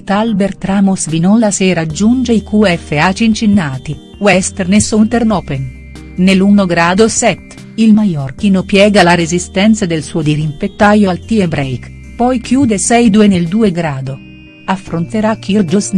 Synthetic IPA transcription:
t̪albeɾt̪ɾamosvinɔlaseɾad͡ʒːund͡ʒeikuɛfːeat͡ʃiint͡ʃinːaːt̪i | wɛst̪eɾnesunt̪eɾnɔːpen | nelunoɡɾaːd̪osɛt̪ː | ilmajɔrkinopjɛːɡalaɾezist̪ɛnt̪sad̪elsuod̪iɾimpet̪ːajoalt̪iebɾɛjk | pɔjkjuːd̪esɛjd̪ueneld̪uːeɡɾaːd̪o | afːɾont̪eɾakːird͡ʒos

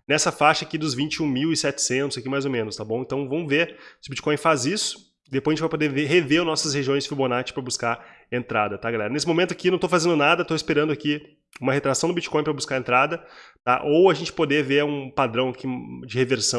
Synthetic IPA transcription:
nɛsɐfaʃɐakid̪ʊzvĩnt͡ʃɪũmiwɪsɛt͡ʃɪ̥sẽnt̪ʊzakimajzomẽnʊst̪abõw̃ẽnt̪ɐ̃w̃vɐ̃mʊveɾsɪʊbit͡ʃi̥kõj̃fazisʊ̥ | d̪epojzʒẽt͡ʃɪvajpod̪eveɦeveɾnɔsɐsheʒiõj̃sfiɾbonat͡ʃɪ̥pɾɐbuskaɾ | ẽnt̪ɾad̪ɐt̪aɡalɛ̰ɾɐnesɪmomẽnt̪ʊakinɐ̃w̃t̪oʊfazẽnd̪ʊnad̪ɐt̪oɪspeɾɐ̃nd̪ʊaki | ũmɐɦet̪ɾasɐ̃w̃d̪ʊbit͡ʃi̥kõj̃pɾɐbuskaɾẽnt̪ɾad̪ɐt̪aʔowɐʒẽnt͡ʃɪ̥pod̪eveɾũpad̪ɾɐ̃w̃akʰid͡ʒɪheveɾsɐ̃

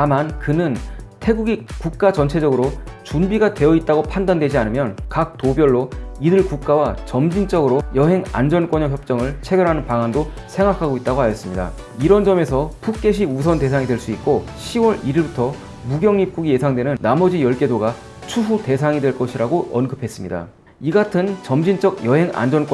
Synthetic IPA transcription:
tamankɯnɯntʰe̞ɡuɡikuk̚k͈at͡ɕʌnt͡ɕʰe̞d͡ʑʌɡɯɾot͡ɕunbiɡatwe̞jʌit̚t͈aɡopʰandandwe̞d͡ʑianɯmjʌnkak̚tobjʌɭːoidɯɭkuk̚k͈awat͡ɕʌmd͡ʑint͡ɕ͈ʌɡɯɾojʌɦe̞ŋa̰nd͡ʑʌnk͈wʌɲʌkçjʌp̚t͡ɕ͈ʌŋɯɭt͡ɕʰe̞ɡjʌɾɦanɯnpaŋando | sʰe̞ŋɡakʰaɡoit̚t͈aɡoajʌs͈ɯmɲida̰ | iɾʌnd͡ʑʌme̞sʰʌpʰuk̚k͈e̞ɕ̬ʰius̬ʰʌnte̞sʰaŋidwe̞ɭs͈uit̚k͈oɕʰiwʌɾiɾiɭbutʰʌ | muɡjʌŋip̚k͈uɡije̞sʰaŋdwe̞nɯnːamʌd͡ʑijʌɭk͈e̞doɡa | t͡ɕʰuɦute̞sʰaŋidwe̞ɭk͈ʌɕʰiɾaɡoʔʌnɡɯpʰe̞s͈ɯmɲida̰ | iɡatʰɯnt͡ɕʌmd͡ʑint͡ɕ͈ʌɡjʌɦe̞ŋa̰nd͡ʑʌnk͈

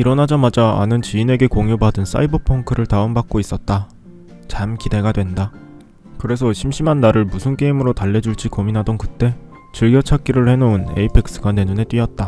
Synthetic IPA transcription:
iɾʌnɦad͡ʑamad͡ʑa̰ːnɯnt͡ɕiine̞ɡe̞koŋjobadɯns͈a̰ibʌpʰoŋkʰɯɾɯɭtaɯmbak̚k͈ois͈ʌt̚t͈a | t͡ɕamkide̞ɡadwe̞nda | kɯɾe̞sʰʌɕʰimɕ͈imanːaɾɯɭmusʰunk͈e̞imɯɾotaɭːe̞d͡ʑuɭt͡ɕ͈ikominɦadonkɯt͈e̞ | t͡ɕɯɭɡjʌt͡ɕʰak̚k͈iɾɯɭɸe̞noune̞̰ipʰe̞k̚s͈ɯɡane̞nune̞t͈ɥiʌt̚t͈a

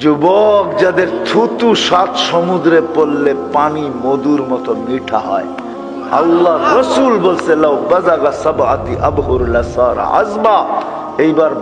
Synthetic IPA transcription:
d͡ʒubɔkd͡ʑad̪eɾt̪ʰut̪uʃat̪ʃɔmud̪ɾepolːepanimod̪uɾmɔt̪ɔmiʈʰaɦɔ̰e | ɐ̰lːaɾːəsulbolselawbɐzaɡasɐba̰t̪iʔɐbɦuɾulɐsaɾa̰ʔɐ̰zma | ejbaɾ

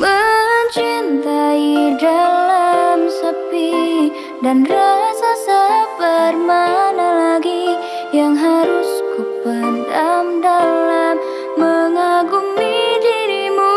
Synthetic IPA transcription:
bəɲt͡ʃint̪aidalamsapi | danrasasabərmanalaɡi | jaŋɦaɾuskupədamdalamː | əŋaɡumidiɾimu

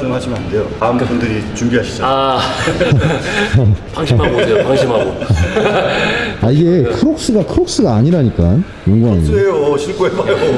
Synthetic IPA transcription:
oɦad͡ʑimənande̞jotaɯmtepʰundɯɾit͡ɕumbiɦaɕʰi̥d͡ʑ͈oa | haŋɕʰmaɡoohaŋɕʰimɦaɡo | aiɡe̞kʰɯɾok̚s͈ɯɡakʰɯɾok̚s͈ɯɡaːɲiɾaɲik͈an | joŋɡuaɲeoʌɕʰink͈oemajo

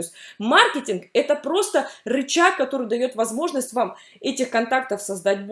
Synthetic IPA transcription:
osʲtʲmarkʲɪtʲɪnkɛt̪əpɾo̞st̪ərɨt͡ɕak̚kːɐt̪o̞ɾɨjd̪ɐjo̞t̪vɐzmo̞ʐnəsʲtʲvam | ɛtʲɪxkɐnt̪ak̚t̪əfsɐzd̪at̚ʲb

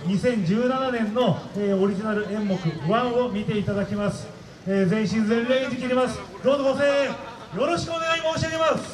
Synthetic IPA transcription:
ɲisẽ̞ɲ̟d͡ʑɨːnananẽ̞nːo̞eːo̞ɾʲiʑinaɾɯ̟ẽ̞mːo̞kɯ̟βãɰ̃o̞mʲit̪e̞it̪ad̪akʲimasɨ̥ | eːzẽ̞ɰ̃ɕ̬ĩnd͡zẽ̞nɾe̞ːɲid̪ekʲiɾʲimasɨ̥d̪o̞ːzoɡoseː | jo̞ɾo̞ɕi̥kɯo̞ne̞ɡaimoɕiaɡemasɨ̥

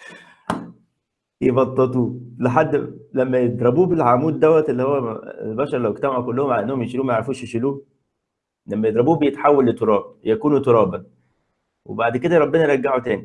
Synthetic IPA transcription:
jebɑt̪ˤːet̪ˤuːleħad̪ːlæmːæjed̪ɾˤɑbuːbelʕamuːd̪ːæwːæt̪elːihowːæḛlbæʃɑɾˤlæweɡ̚t̪æmaʕukolːohomʕalæʔenːohomjeʃiluːmæjeʕɾfuːʃeʃiluː | læmːæjed̪ˤɾɑbuːbejet̪ħawːælːet̪ːoɾˤɑːb̚jækuːnut̪oɾˤɑːbæn | wḛbaʕd̪ked̪æɾˤɑbːenɑɾˤæɡːaʕut̪æːni

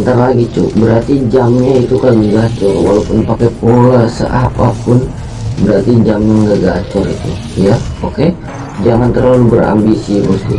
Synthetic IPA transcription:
ənt̪aɾalaɡit͡ʃṵbəɾart̪id͡ʒamɲait̪ukalɡəɡat͡ʃɔrwa̰lawpʊnpakɛpolasə̰ʔapapʊn | bəɾart̪id͡ʒamɲaŋɡaɡat͡ʃɔrḭt̪ṵ | jaoke | d͡ʒaŋant̪ərlalubəra̰mbisibɔst̪ṵ

